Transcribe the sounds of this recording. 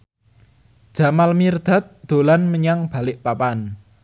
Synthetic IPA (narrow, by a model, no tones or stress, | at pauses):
d̥ʒ̥a̤malmird̪̥a̤t̪̚d̪̥o̤lanməɲaŋb̥a̤lɪʔpapan